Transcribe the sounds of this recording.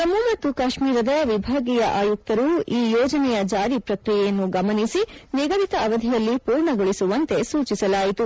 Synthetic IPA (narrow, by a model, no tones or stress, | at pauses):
t̪ɐmːumɐt̪ːukaːʃmiːɾɐd̪ɐʋibʱaːɡijɐʔaːjuk̚t̪ɐɾuiːjɔːd͡ʒɐnɛjɐd͡ʒaːɾipɾɐkɾijɛjɐnːuɡɐmɐnisiniɡɐʋit̪ɐːʋɐd̪ʱijɐlːipuːɾɳɐɡɐɭisuʋɐnt̪e̞suːt͡ʃisɐlaːjit̪u